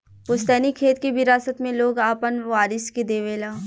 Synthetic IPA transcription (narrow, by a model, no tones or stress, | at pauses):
pʊst̪ɛːnikʰeːt̪kibɪɾaːsət̪mẽloːɡaːpənʋaːɾɪsked̪eːʋeːlaː